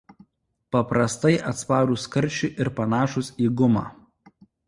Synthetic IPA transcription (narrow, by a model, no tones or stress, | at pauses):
pɐpɾɐst̪ɐɪʔɐt̪spɑːɾuːskɐɾʲˑt͡ʃʲʊˑʔɪɾpɐnɑːʃʊsiːɡʊmɑ̰ː